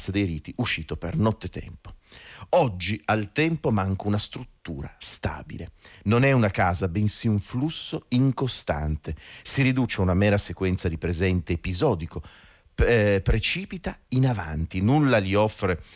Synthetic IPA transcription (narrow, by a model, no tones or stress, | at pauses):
sad̪ejɾiːt̪iʔuʃːiːt̪opernɔt̪ːet̪ɛ̰mpo̥ɔd͡ʒːialt̪ɛmpomaŋkunast̪ɾut̪ːuːɾa̰st̪a̰ːbḭlenonɛunakaːzabensiuɱflusːoiŋkost̪a̰nt̪esiɾid̪ut͡ʃeaunamɛːɾasekwɛnt̪sad̪ipɾezɛnt̪eːpizɔːd̪iko | pɾet͡ʃiːpit̪ainavant̪inulːaliɔfːɾe